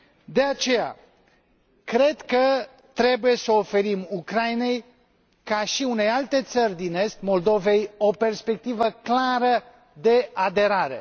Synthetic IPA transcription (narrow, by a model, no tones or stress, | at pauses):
d̪e̞at͡ʃe̞ja̰ | kɾe̞d̪kə | t̪ɾe̞buje̞səofe̞ɾimukɾaine̞j | kaʃiune̞jalt̪e̞t̪sərʲd̪ine̞st̪mo̞ld̪o̞ve̞jo̞pe̞rspe̞k̚t̪ivəklaɾə | d̪e̞ad̪e̞ɾaɾe̞̰